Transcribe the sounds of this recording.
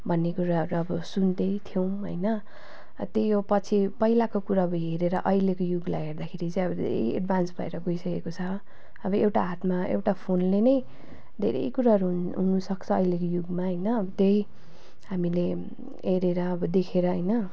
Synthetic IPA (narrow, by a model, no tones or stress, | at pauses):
bʱʌnːekuɾaɦʌɾuʌbʌsund̪ʌjt̪ʰjow̃ɦʌ̰jnʌ | t̪jejopʌt͡sʰipʌilakokuɾaʌbʌjɦeɾeɾʌʔʌilekojuɡlajɦerd̪akʰeɾit͡sʌ̃ĩʌbʌd̪ʱḛɾḛjḛɖbʱansbʱʌḛɾʌɡoisʌkekot͡sʰʌ | ʌbʌewʈaɦat̪maḛwʈapʰonlenʌj | d̪ʱḛɾʌ̰jkuɾaɦʌɾuɦɦunusʌkt͡sʰʌʌjlekojuɡmaɦʌjnʌʌbʌt̪ej | ɦamile | ɦeɾeɾʌːbʌd̪ekʰeɾʌɦʌjnʌ